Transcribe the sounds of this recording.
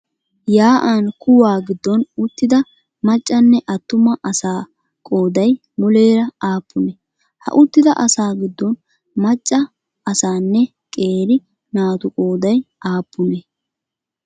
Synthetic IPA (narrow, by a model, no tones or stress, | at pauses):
jaːʔankʊwaːɡɪd̪ːɔnʊt̪ːɪd̪ɐ | mɐt͡ʃʼːɐnːɛʔɐt̪ːʊmɐʔɐsaː | kʼo̞ːd̪ɐj | mʊleːɾɐaːpːʊnɛ | hɐ̰ʔʊt̪ːɪd̪ɐʔɐsaːɡɪd̪ːɔn | mɐt͡ʃʼːɐ | ɐsaːnːɛ | kʼe̞ːɾɪ | naːt̪ʊkʼoːd̪ɐjʔaːpʰːʊnɛ